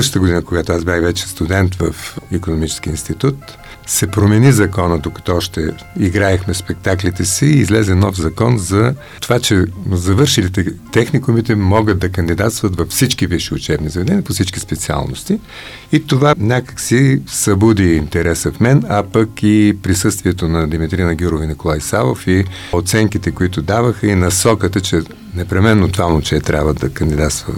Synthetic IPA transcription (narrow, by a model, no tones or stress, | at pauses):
ʃə̥t̪əɡʊd̪inəkoɡat̪oazbʲjaxvɛt͡ʃɛ̥st̪ʊd̪ɛnt̪vəfikonomit͡ʃɛ̥skʲiinst̪it̪ut̪ | sɛpɾomɛnizɐkɔnəd̪okɐ̥t̪ɔɔʃt̪ɛ | iɡɾaɛxmɛspɛk̚t̪aklit̪ɛsiːzlɛzɛnɔfzɐkɔnzɐ | t̪ovat͡ʃɛzɐvɤɾʃilit̪ɛt̪ɛxnikʊmit̪ɛmɔɡətd̪̚d̪ɐkənd̪id̪at̪st̪vət̪vɐfsit͡ʃkiviʃiʊt͡ʃɛbnizɐvɛd̪ɛniəpofsit͡ʃkispɛt̪sia̰lˠno̰st̪i | it̪ovanʲakə̥ksisɐbud̪iːnt̪ɛɾɛsəfmɛnɐpɐkipɾisɤst̪viɛt̪onɐd̪imit̪ɾinəɡʲuɾovinikolˠajsavˠofi | ot̪sɛŋkit̪ɛkoit̪ʊd̪avəxəinɐsɔkət̪ət͡ʃɛ | nɛpɾɛmɛnːot̪vamnot͡ʃɛt̪ɾʲa̰bvəd̪ɐkɐnd̪id̪at̪st̪və̰